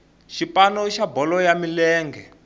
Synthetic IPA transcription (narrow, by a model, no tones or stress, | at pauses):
ʃipanɔiʃabɔlɔjamilɛːŋɡɛ